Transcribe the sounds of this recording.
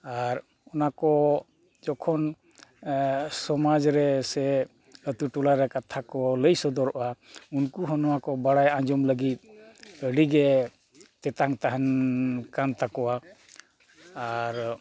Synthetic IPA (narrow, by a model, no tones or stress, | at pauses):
aɾ | ɔnakɔ | d͡ʒɔkʰɔn | sɔmad͡ʒɾɛsɛ | ət̪uʈulaɾɛkat̪ʰakɔləjsɔd̪ɔɾɔʔa | unkuɦɔnɔwakɔbaɽajãɲd͡ʒɔmləɡit̪̚əɽiɡɛ | t̪ɛt̪aŋt̪aɦankant̪akɔwa | ɾ